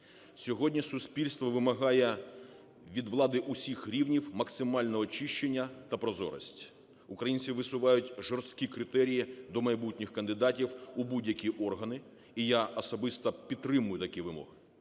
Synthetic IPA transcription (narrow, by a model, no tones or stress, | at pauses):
sʲɔɦɔdʲnʲisʊsʲpʲilʲst̪ʋɔʋɪmɐɦɑjɛ | ʋʲid̪ʋlˠɑd̪ɪʔʊsʲixɾʲiwnʲiwmɐksɪmɑlʲnɛɔt͡ʃiʃt͡ʃenʲːɐt̪ɐpɾɔzɔ̰ɾɐ̰sʲtʲ | ʊkɾɐjinʲsʲiʋɪsʊʋɑjʊtʲʒɔrst̪kʲikɾɪt̪ɛɾʲijid̪ɔmɐjbutʲnʲɪxkɐnd̪ɪd̪ɑtʲiwubudʲjɐkʲiʔɔrɦɐnɪ | ijaɔsɔbɪst̪ɐpʲid̪t̪̚ːɾɪmʊjʊt̪ɐkʲiʋɪmɔ̰ɦɪ